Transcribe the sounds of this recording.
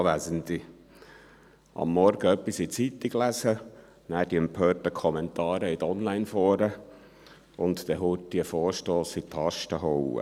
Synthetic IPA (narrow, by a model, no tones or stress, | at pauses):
ʋæzənd̪i | ʔɑ̰mːɔɾɡəœpːisit͡sit̪iɡ̥læsə | næːd̥iɛmpʰøːtəkʰɔmɛnt̪ɑːɾəɪt̪ɔnlæɪnfɔːɾə | ʊnt̪t̪ɛɦutːiəfɔːɾʃtoːsit̪ʰɑʃtəɦɔwə̰